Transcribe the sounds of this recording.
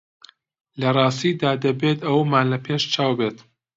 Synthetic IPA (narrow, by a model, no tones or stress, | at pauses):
lɐrˤɑːst̪id̪aːd̪ɐbet̪ɐwmaːnlɐpʰeːʃt͡ʃʰaːwbet̪